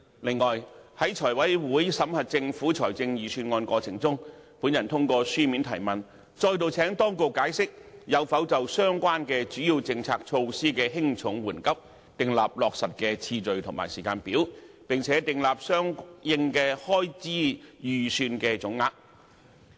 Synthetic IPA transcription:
lɪ˨ŋːɔː˨˩jhɐ˨˥jt͡ʃʰɔː˨˩jwɐ˨˥jwuː˨˥jsɐ˨˥mhɐ˨t̚t͡sɪ˧ŋfuː˨˥t͡ʃʰɔː˨˩jt͡sɪ˧ŋjyː˨syː˧nŋɔː˧nkʷɔː˧t͡sʰɪ̰˨˩ŋt͡sʊ˥ŋpuː˨˥njɐ˨˩nt̪ʰʊ˥ŋkɔː˧syː˥miː˨˥nt̪ʰɐ˨˩jmɐ˨n | t͡ʃɔː˧jt̪o˨wt͡sʰɛː˨˥ŋt̪ɔː˥ŋkʊ˨kːaː˨˥jsɪ˥k̚jɐ˨˧wfɐ˨˥wt͡sɐ˨wsœː˥ŋkʷwaː˥nkɛː˧t͡ʃyː˨˥jiː˨˧wt͡sɪ˧ŋt͡sʰaː˧k̚t͡ʃʰo˧wsiː˥kɛː˧ɦɪ˥ŋt͡sʰʊ˨˥ŋwuː˨˩nkɐ˥p̚ | t̪ɪ˨ŋlaː˨p̚lɔː˨k̚sɐ˨t̚kɛː˧t͡sʰiː˧t͡ʃɵ˨ɥt̪ʰʊ˨˩ŋma̰ː˨˩jsiː˨˩kaː˧npiː˨˥w | pɪ˨ŋt͡sʰɛː˨˧˥t̪ɪ˨ŋlaː˨p̚sœː˥ŋjɪ˧ŋkɛː˧hɔː˥jt͡siː˥jyː˨syː˧nkɛː˧t͡ʃʊ˨˥ŋːaː˧˩k̚

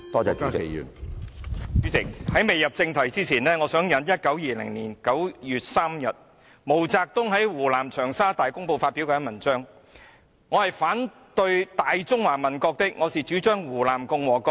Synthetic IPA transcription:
t̪ɔː˥t͡sɛː˧˩t͡ʃy˥t͡sɪ˨y̰ː˨˩n | t͡ʃy˨˥t͡sʰɪ˨k̚hɐ˨˥jme˨jɐ˨p̚t͡sɪ˧ŋt̪ʰɐ˨˩jt͡siː˥t͡sʰiː˨˩nlɛː˥ŋɔː˨˧sœː˨˥ŋjɐ˨˧njɐ˥t̚kɐ˨˥wjiː˨˩lɪ̰˨˩ŋliː˨˩nkɐ˨˥wjyː˨t̚saː˥mjɐ˨t̚ | mo˨˩wt͡saː˧k̚t̪ʊ˥ŋɦɐ˨˥jwuː˨˩laː˨˩mt͡ʃʰœː˨˩ŋsaː˥t̪aː˨jkʊ˥ŋpo˧wfaː˧t̚pi˨˥wkɛ˧ɐ˥nmɐ˨˩nt͡ʃœː˥ŋ | ŋːɔː˨˧hɐ˨jfaː˨˥n | t̪ɵ˧ɥt̪aː˨jt͡sʊ˥ŋwaː˨˩mɐ˨˩nkɔː˧k̚t̪ɪ˥k̚ŋɔː˨˧siː˨˩t͡ʃyː˨˥t͡ʃœː˥ŋwuː˨˩laː˨˩mkʊ˧ŋwɔː˨˩kɔː˧˥

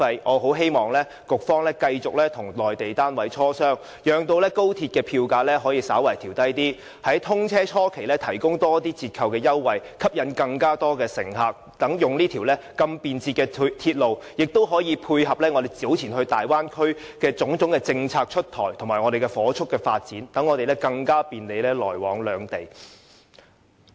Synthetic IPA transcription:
ɐ˧jʔɔː˨˧ɦo˨˥wɦe˥jmɔː˨˩ŋlɛː˥ | kʊ˨k̚fɔː˥ŋlɛː˥kɐ˧jt͡sʊ˨k̚lɛː˥t̪ʰʊ˨˩ŋlɔː˨˩jt̪e˨jt̪aː˥nwɐ˨˥jt͡ʃʰɔː˥sœː˥ŋ | jœː˨˧ŋt̪o˧wlɛː˥ko˥wt̪ʰiː˧t̚kɛː˧pʰiː˧wkaː˧lɛː˥ɦɔː˨˥jiː˧saː˨˥wɐ˨˩jt̪ʰiː˨˩wt̪ɐ˥jt̪iː˥ | hɐ˨˥jt̪ʰʊ˥ŋt͡sʰɛː˥t͡ʃʰɔː˥kʰe˨˩jlɛː˥t̪ʰɐ˨˩jkʊ˥ŋt̪ɔː˥t̪iː˥t͡sʰiː˧t̚kʰɐ˨wkɛː˧jɐ˥wːɐ˨jkʰɐ˥p̚jɐ˨˧nkɐ˧ŋkaː˥t̪ɔː˥kɛː˧sɪ̰˨˩ŋhaː˨k̚t̪ɐ˨˥ŋjʊ˨ŋliː˥t̪ʰi˨˩wlɛː˥kɐ˧mpiː˨nt͡sʰiː˧t̚kɛː˧t̪ʰiː˧t̚lo˨wjɪ˨k̚t̪o˥wɦɔː˨˥jiː˨˧pʰuː˧jɦɐ˨p̚lɛː˥ŋɔ˨˧d̪e˨˩jt͡siː˨˥wt͡sʰiː˨˩nhɵ˧ɥt̪aː˨jwaː˥nkʰɵ˥ɥ | kɛː˧t͡sʊ˨˥ŋt͡sʊ˨˥ŋkɛː˧t͡sɪ˧ŋt͡sʰaː˧k̚t͡ʃʰɵ˥t̚t̪ʰɔː˨˩jt̪ʰʊ˨˩ŋmaː˨˩ŋɔ˨˧d̪e˨jkɛ˧fɔː˨˥t͡ʃʰʊ˥kːɛː˧faː˧t̚t͡siː˨˥nt̪ɐ˨˥ŋːɔː˨˧ɾe˨lɛː˥kɐ˧ŋkaː˥piː˨nle˨˧jlɛː˥lɔː˨˩jwɔ̰ː˨˥ŋlœː˨˧ŋt̪e˨j

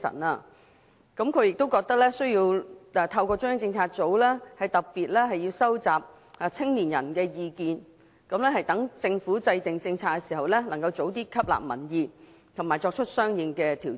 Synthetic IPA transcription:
sɐ̰˨˩naː˧ | kɐ˨˥mkʰɵ˨˧jɪ˨k̚t̪o˥wkɔː˧k̚t̪ɐ˥k̚lɛː˥sɵ˥ɥjiː˧wɛː˧t̪ʰɐ˧wkɔː˧t͡sʊ˥ŋjɐ˥ŋt͡sɪ˧ŋt͡sʰaː˧t̚t͡so˨˥wlɛː˥hɐ˨jt̪ɐ˨k̚piː˨t̚lɛː˥ɦɐ˨jiː˧wsɐ˥wt͡saː˨p̚ | a˨˧t͡sʰɪ˥ŋliː˨˩njɐ̰˨˩nkɛː˧jiː˨˧kiː˨˧n | kɐ˨˥mlɛː˥hɐ˨jt̪ɐ˨˥ŋt͡sɪ˧ŋfuː˨˥t͡sɐ˧jt̪ɪ˨ŋt͡sɪ˧ŋt͡sʰaː˧t̚kɛ˧siː˨˩ɦɐ˨˩wlɛ˥nɐ˨˩ŋkɐ˧wt͡so˨˥wt̪iː˥kʰɐ˥p̚la̰ː˨p̚mɐ̰˨˩njiː˨˧ | t̪ʰmaː˨˩jt͡ʃɔː˧k̚t͡ʃʰɵ˥t̚sœː˥ŋjɪ˨˧ŋkɛː˧t̪ʰiː˨˩

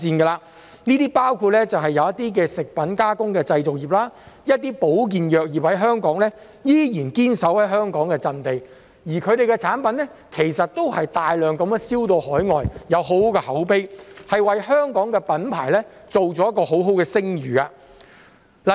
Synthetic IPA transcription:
t͡siː˧nkɛː˧laː˧ | niː˥t̪iː˥paː˥wkʰu˧t̚lɛ˥t͡sɐ˨wɦɐ˨jːɐ˨˧wjɐ˥t̪iː˥k̬ɛː˧sɪ˨k̚pɐ˨˥nkaː˥kʊ˥ŋkɛː˧t͡sɐ˧jt͡sʊ˨k̚jiː˨p̚laː˥jɐ˥t̪̚iː˥po˨˥wk̬iː˨njœː˨k̚jiː˨p̚hɐ˨˥jɦœː˥ŋkɔː˨˥ŋlɛ˥ | jiː˥jiː˨˩nkiː˥nsɐ˨˥whɐ˨˥jɦœː˥ŋkɔː˨˥ŋkɛː˧t͡sɐ˧nt̪e˨j | jiː˨˩kʰɵ˨˧ɥɾe˨jkɛ˧t͡sʰaː˨˥npɐ˨˦˥nɛ˥kʰe˨˩jsɐ˨t̚t̪o˥whɐ˨jt̪aː˨jlœː˨ŋkɐ˨˧mjɛ˧siː˥wt̪o˧whɔː˨˥jŋɔː˨jjɐ˨˧wɦo˨˥wkɛ˧hɐ˨˥wpe˥jhɐ˨jwɐ˨jɦœː˥ŋkɔː˨˥ŋkɛː˧pɐ˨˥npʰa̰ː˨˩jlɛ˥ | t͡so˨wt͡sɔː˨˥jɐ˥t̚kːɔː˧ɦo˨˥wɦo˨˥wkɛː˧sɪ˥ŋɥyː˨˩ka˧ | l

